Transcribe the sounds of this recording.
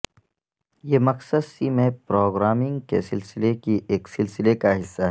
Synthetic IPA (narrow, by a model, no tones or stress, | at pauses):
jeːmɐqsəd̪simẽpɾoːɡɾaːmɪ̃ŋɡkḛsɪlsɪlekiʔeːksɪlsɪlekaɦɪsːaɦɛ